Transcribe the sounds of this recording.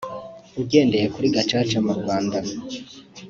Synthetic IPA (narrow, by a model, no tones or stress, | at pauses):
uɡɟe̞ːnde̞jekuɾiɡat͡ʃaːt͡ʃamuɾɡwaːnda